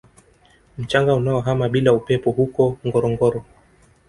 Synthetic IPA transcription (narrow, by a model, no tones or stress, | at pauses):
m̩t͡ʃaŋɡaunaɔɦamaɓilaupɛpɔhukɔŋɡɔɾɔŋɡɔɾɔ